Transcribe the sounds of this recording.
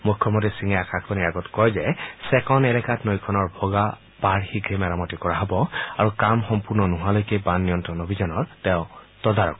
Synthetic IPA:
mukʰːɔmɔntisiŋajakʰakʰbaniɹaɡɔtkɔjzɛsɛkɔnɛlɛkatnojkʰɔnɔɹbʱɔɡa | b̥aɹhiɡɹemɛɹamɔtikɔɹaɦɔbɔaɹukamxɔmpuɹnɔnɔɦalojkɛbanːijɔntɹɔnobʱizɔnɔɹtɛʊ̃ | tɔdaɹɔ̰k

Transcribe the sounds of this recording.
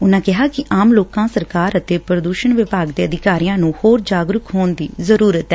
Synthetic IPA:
ʊnãːkɪɦaːkɪʔaːmloːkãːsəɾkaːɾət̪eːpɾəd̪uːʃəɳʋɪpaːɡd̪eːəd̪ɪkaːɾijãːnũːhoːɾd͡ʒaːɡɾʊkɦoːnd̪iːzəɾuːɾət̪ɛ

